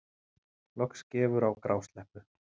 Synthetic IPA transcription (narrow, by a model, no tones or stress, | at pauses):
lɔkscɛːvʏɾawkɾaːwst̪lɛhpʏ